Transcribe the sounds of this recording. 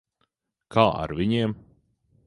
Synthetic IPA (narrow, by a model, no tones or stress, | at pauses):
kʰaːa̰ɾviɲiɛm